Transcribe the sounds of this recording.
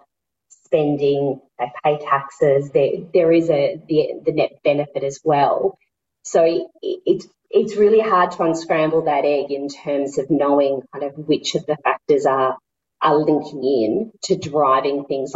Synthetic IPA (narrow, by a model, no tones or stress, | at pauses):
spɛ̃ndɪ̃ŋ | apʰeɪtʰæksɪzðə˞ðə˞ɪzɨðiðɨnɛt̚b̥ɛnɨfɨɾɨzwɛlˠ | soʊɪɪts | ɪtsɹɪlˠiɦɑɹd̚tʰəə̃nskɹæ̃mbl̩ˠðɨɾɛɡɨ̃ntʰɜ̃˞mzʌvnoʊɪ̃ŋkʰãɪ̃ndʌvwɪt͡ʃʌvðɨfæk̚tə˞zə˞ | ʔəlɪ̃ŋkʰɪ̃ŋɪ̃ntʰɨdɹaɪvɪ̃ŋθɪ̃ŋz